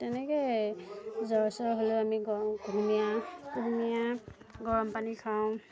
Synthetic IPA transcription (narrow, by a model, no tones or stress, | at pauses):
tɛnɛke | zɔɹsɔɹɦoloamiɡɡʱumijaɡʱumija | ɡɔɹɔmpanikʰaʊ̃